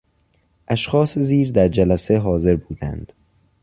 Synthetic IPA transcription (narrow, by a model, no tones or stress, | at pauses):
ʔæʃxɒːseziːɾd̪æɾd͡ʒælæseɦɒːze̞ɾbuːd̪æ̰nd̪̥